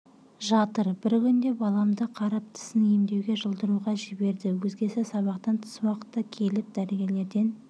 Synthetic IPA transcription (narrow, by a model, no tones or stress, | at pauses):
ʒɑt̪əɾb̥ɪɾkʲʰʏnd̪e̞bɑlˠɑmd̪əqʰɑɾɑp̚t̪ʰɪ̥sɪnijmd̪e̞wɡʲe̞ʒəlˠd̪əɾuʁɑʒɪbe̞ɾd̪ɪwɵzɡʲe̞sesɑβɑqt̪ɑnt̪ʰə̥swɑqə̥t̪ːɑkʲʰe̞lɪp̚d̪æɾeɡʲe̞ɾle̞ɾd̪e̞n